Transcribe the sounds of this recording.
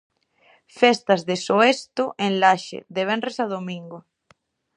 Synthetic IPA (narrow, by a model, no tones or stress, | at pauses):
fɛst̪ɐzðesoest̪ʊʔenlaʃḛðeβ̞ɛnresað̞omiŋɡʊ